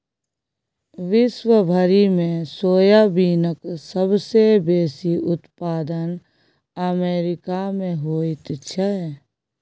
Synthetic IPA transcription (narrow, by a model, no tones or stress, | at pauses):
ʋɪʃwəbʱəɾimẽsoːjabiːnəksəbsebeːsiʊt̪paːd̪ən | əmeːɾɪkamẽɦoːit̪t͡ʃʰəɦɛː